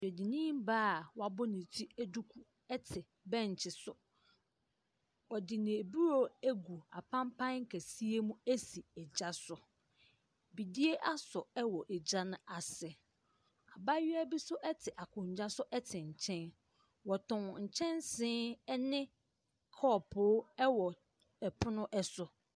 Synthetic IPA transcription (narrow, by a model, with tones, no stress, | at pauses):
ɛ˨di˨nĩ˦m˦baː˦˨wa˨bʊ˦nɪ̃˨tʰi˦æ˦du˦kʰu˦ | ɛ˦tʰɪ˨ | bɛ̃˦ɲ˨t͡ɕʰɪ˨sʊ˨ | wɔ˨dɪ˨nɪ̃˨e˨bu˦ɾo˦æ˦ɡu˨a̰˨pʰã˦mpʰã˦ŋ̩˦kʰæ˨si˦e˦mũ˦æ˦si˨ɛ˨d͡ʑa˦sʊ˨ | bi˨di˦e˦ʔa˦sʊ˨ɛ˦wɔ˨ʔɛ˨d͡ʑa˦nʊ̃˦ʔa˨sɪ˨ | a˨ba˦ɥɪ˦æ˦bi˦sʊ˦ʔɛ˦tʰɪ˨ʔa˨kʰʊ̃˨ɲ˨d͡ʑa˦sʊ˦ʔɛ˦tʰɪ˨ɲ̩˨t͡ɕʰɛ̃˦n | wɔ˨tʰʊ̃˨ŋɲ̩˨t͡ɕʰɛ̃˦nsɪ̃ː˦nɪ̃˦ | kʰɔː˦˨pʰʊː˦ɛ˦wɔ˨ | ɛ˨pʰʊ˦nʊ̃˦ʔɛ˦sʊ˨